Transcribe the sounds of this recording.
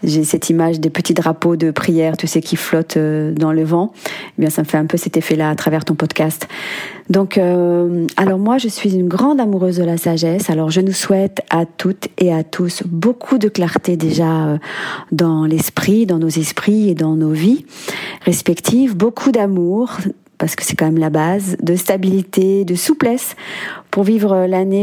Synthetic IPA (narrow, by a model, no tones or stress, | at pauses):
ʒesɛt̪ʰimaʒd̪epət̪id̪ʁapod̪əpχijɛʁt̪ysəkʲiflɔt̪ød̪ɑ̃ləvɑ̃ebjɛ̃saməfɛɛ̃pøsɛt̪efɛlaːt̪χavɛʁt̪ɔ̃pɔd̪kast̪d̪ɔ̃køalɔʁmwaʒəsɥizynɡʁɑ̃d̪amuʁøzd̪əlasaʒɛsalɔʁʒənuswɛt̪at̪ʰut̪eat̪ʰusbokʰud̪əklaʁt̪ed̪eʒaød̪ɑ̃lɛspχid̪ɑ̃nozɛspχied̪ɑ̃noviʁespɛkt̪ʰivbokʰud̪amuʁ | paʁsə̥kə̥sɛ̥kɑ̃mɛmlabazd̪əst̪abilit̪ed̪əsuplɛspuʁvivʁəlane